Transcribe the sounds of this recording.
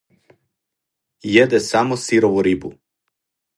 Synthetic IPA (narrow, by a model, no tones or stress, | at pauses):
jed̪ɛsamosiɾoʋuɾibṵ